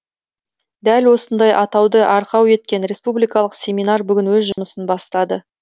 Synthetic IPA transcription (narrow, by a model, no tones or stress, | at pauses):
d̪ælwo̞sənd̪ɑjʔɑt̪ɑwd̪əʔɑɾqɑwe̞t̪̚kʲe̞nɾe̞spublijkɑlˠəqsʲe̞minɑrbʏɡʲɪnwɵzʒʊməsənbɑst̪ɑd̪ə